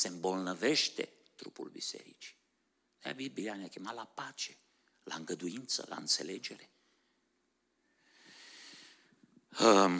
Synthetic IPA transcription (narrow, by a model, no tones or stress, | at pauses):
sɛmbɔlnəvɛʃt̪ḛ | t̪ɾṵpṵlbḭsɛ̰ɾit͡ʃi̥ | nɛa̰bibianakimalapaːt͡ʃe̥ | la̰ŋɡad̪uint̪sə̰la̰nt̪selɛd͡ʒeɾe